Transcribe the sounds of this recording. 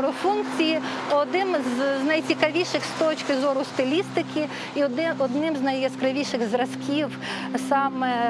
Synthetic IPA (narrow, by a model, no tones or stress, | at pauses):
ɾʊfunk̚t͡sʲiji | ɔd̪nɪmzznɐjt͡sʲikɐʋʲiʃɪxst̪ɔt͡ʃkɪzɔɾʊst̪ɪlʲist̪ɪkʲʰi | iɔd̪ɔd̪nɪmznɐjɐskɾɐʋʲiʃɪɣzɾɐskʲiw | sɑmɛ